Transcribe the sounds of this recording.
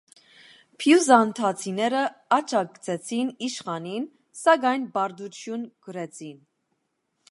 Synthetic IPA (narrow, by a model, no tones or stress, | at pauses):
pʰjuzɑnt̪ʰɑt͡sʰinɛɾəɑt͡ʃʰɑkt͡sʰɛt͡sʰiniʃχɑnin | sɑɡɑjnbɑɾd̪ut͡sʰjunɡ̥əɾɛt͡sʰin